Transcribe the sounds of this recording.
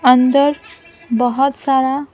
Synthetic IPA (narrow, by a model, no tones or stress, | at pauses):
ʌnd̪əɾ | bɔɦɔt̪saɾa